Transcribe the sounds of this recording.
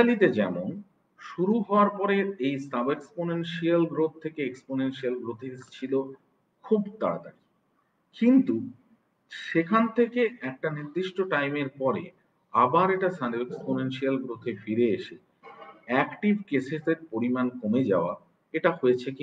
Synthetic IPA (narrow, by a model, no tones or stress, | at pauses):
alit̪ed͡ʑɛmon | ʃuɾuɦɔoaɾpɔɾeejsɐbeksponenʃialɡɾot̪̚t̪ʰːekeeksponenʃialɡɾot̪ʰet͡ɕʰilo | kʰubt̪a̰ɾa̰d̪a̰ki | kint̪u | ʃekʰant̪ʰekeɛk̚ʈaniɾd̪iʃʈoʈajmeɾpɔɾḛ | abaɾeʈasaneksponenʃialɡɾot̪ʰefiɾeeʃe | ɛkʈibʱkeseseɾpoɾimankomed͡ʑa̰oa̰ | eʈaɦoet͡ɕʰeki